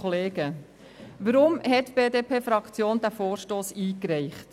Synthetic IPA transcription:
oleːɡ̥ə | ʋəɾʊmɦɛtb̥eːdeːpʰeːfɾɑkt͡sjoːnd̥̪æfoːɾʃtoːsiːkɾɛɪχt

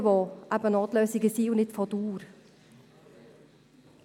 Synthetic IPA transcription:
ʋɔʔæbənɑːt̪lœːsɪɡəsiːʊnɪt̪fɔd̪uːɾ

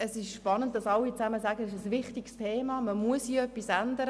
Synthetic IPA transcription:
əsɪʃʃpɑnənt̚d̥ɑsɑlːit͡sæməzæɡəɪʃəsvɪχtiɡstʰeːmɑːməmuəsiːœpːisænd̪əɾ

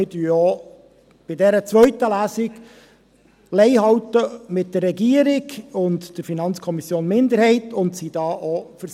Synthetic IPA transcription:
ɪd̥yjɔ | b̥ɪdɛɾət͡sʋœɥtəlæːsɪk | lɛɪhɑwtəmɪt̚d̥ərːɛɡiəɾɪɡʊntd̥əɾfinɑnt͡skʰɔmisjoːnmɪndəɾhɛɪtʊntsid̥ɑːʔɔfəɾ

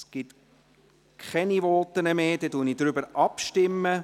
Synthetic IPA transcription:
sɡ̥ɪt̪ | kʰχɛniʋɔːt̪ːənəmeːd̥̪ɛtunid̥ɾʏbəɾɑpʃtɪmːə

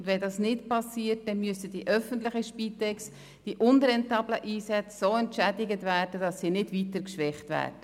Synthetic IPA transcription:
ʊndvɛndɑsnɪtpɑsiːət̚d̥ɛnmyəsəd̥iʔœfəntlɪχəʃpiːtɛks | d̥iʔʊnrɛntɑːbləʔiːsɛt͡ssoːɛntʃædɪɡətvæːrd̥ədɑsːiːnɪdvitəɾkʃʋɛχtvæ̰ːdə

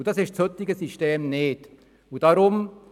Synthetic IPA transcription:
d̥asɪʃtshøtɪɡəsiʃteːmneːt | ud̥aɾʊm

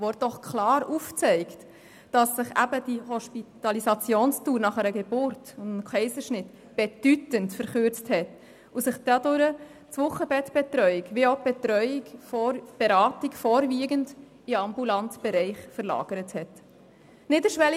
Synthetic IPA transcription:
ʋɔɾ̚d̥ɔχkʰlɑːɾuft͡sɛɪkt | d̥ɑsːɪχæ̰bəd̥ihɔʃpitɑlisɑt͡sjoːnstuːɾnɑχəɾəɡebʊɾtʊndnkʰɛɪsəʃnɪt | b̥ɛd̥ytəntfəɾχʏɾt͡sthɛt | usɪχd̥ɑdʊɾə | t͡sʋʊχəbɛtb̥ɛtɾœʏikʋioʊb̥ɛtɾœʏɪɡb̥ɛɾɑːtikfɔːɾviːɡənd | ɪɑmbulɑntb̥ɛɾɛɪχfəɾlɑ̰ːɡ̥əɾəthɛt | nɪtəʃʋɛl

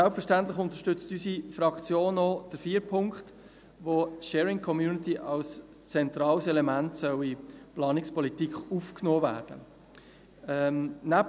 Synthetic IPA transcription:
sælpfəʃtænt̪lɪχʊnt̪əʃtʏt͡stysifɾɑkt͡sjoːnːɔd̥əɾfiːəɾpʰʊŋkχt | ʋotʃɛːɾɪŋkʰɔmjuːnɪtiʔɑls | t͡sɛnt̪ɾɑːlsɛlɛmæntsœwiplɑːnɪkspʰɔlitikʰufknoːvæ̰ːɾd̥ə̰ | ɛnæp

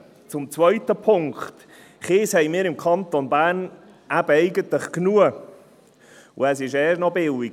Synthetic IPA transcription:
t͡sʊmt͡svœɥt̪əpʰʊŋkχt̪ | χeːshɛjmɪːɾɪmkʰɑnt̪onbæːrn | æb̥əɛɪɡət̪ləχknuə | ʊ̰æs̬ɪʃɛːʃnɔbɪliɡ

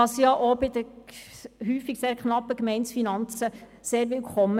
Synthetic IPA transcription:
ɑsjɑʔobɪd̪ə | ɦyːfiɡseːɾkχnɑpːəkmɛɪnsfinɑnt͡sə | seːɾʋɪlkʰχɔmə

